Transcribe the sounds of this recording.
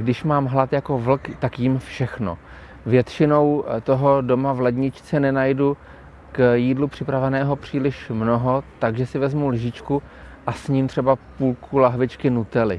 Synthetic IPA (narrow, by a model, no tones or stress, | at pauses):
ɡdɪʃmaːmɦlat̪jako̞vl̩kt̪akjɪmfʃɛxno̰ | vjɛt̪t͡ʃɪno̞wt̪oɦo̞do̞mavlɛd̪ɲɪt͡ʃt͡sɛnɛnajdu | kjiːdlupr̝̥ɪpɾavɛnɛːɦo̞pr̝̥iːlɪʃmnoɦot̪aɡʒɛsɪvɛzmulʒɪt͡ʃku | ʔasɲiːmt̪r̝̥ɛbapuːlkʰulaɦvɪt͡ʃkɪnut̪ɛlɪ